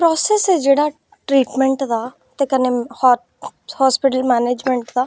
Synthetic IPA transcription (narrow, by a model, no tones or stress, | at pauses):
pɾɔːsesɛd͡ʒeːɽaː | ʈɾiːʈmɛ̃ɳʈd̪aː | t̪ekəneh | haːspɪʈəlmɛːneːd͡ʒmẽɳʈd̪aː